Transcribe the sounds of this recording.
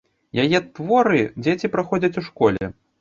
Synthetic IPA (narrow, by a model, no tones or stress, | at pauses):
jajɛt̪vɔɾɨd͡zʲet͡sʲipɾaxɔd͡zʲɐt͡sʲuʂkɔlʲɛ̰